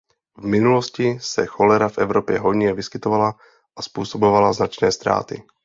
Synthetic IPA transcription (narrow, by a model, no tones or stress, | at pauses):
vmɪnuloscɪsɛxo̞lɛɾafʔɛvɾopjɛ̰ɦo̞jɲɛvɪskɪt̪ovala | ʔaspuːso̞bo̞valaznat͡ʃnɛːst̪ɾa̰ːt̪ɪ̰